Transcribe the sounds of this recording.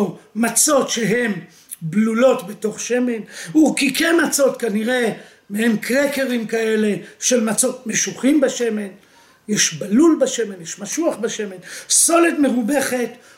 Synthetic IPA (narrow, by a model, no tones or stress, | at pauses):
mat͡so̞tʃe̞ɦe̞m | blulo̞tbe̞toχʃe̞me̞nukikemat͡so̞tkaniʁe̞ | mehemkʁeke̞ʁimkae̞le̞ʃe̞lmat͡so̞tme̞ʃuχimbaʃe̞me̞n | jeʃbalulbaʃe̞me̞njeʃmaʃuaχbaʃe̞menso̞letme̞ʁube̞χe̞t